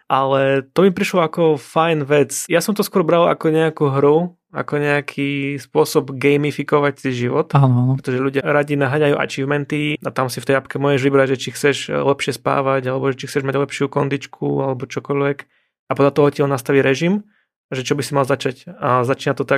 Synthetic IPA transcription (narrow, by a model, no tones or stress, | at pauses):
ʔalɛt̪ɔbipɾiʃlɔakɔfajnʋɛt͡sjasɔmt̪ɔskʊɔɾbɾala̰kɔɲɛakuɦɾu | a̰kɔɲɛakʰispʊɔsɔbɡɛjmifikɔʋacsiʒiʋɔt̪anɔanɾɛt̪ɔʒɛʎuɟɪaɾaɟinaɦaɲajuʔa̰t͡ʃivmɛnt̪iat̪amsift̪ɛjapkɛmʊɔːʒɛʒʋibɾaɟʒɛt͡ʃixt͡sɛʃlɛpʃɪɛspa̰ːʋaɟalɛbɔʒɛt͡ʃixt͡sɛʒmaɟlɛpʃɪukɔnd̪it͡ʃkʰṵalɛbɔt͡ʃɔkɔʎʋɛk | apɔd̪lat̪ɔɦɔciɔlnast̪aʋiɾɛʒim | ʒɛt͡ʃɔbisimalzat͡ʃacazat͡ʃiːnat̪ɔt̪ak̚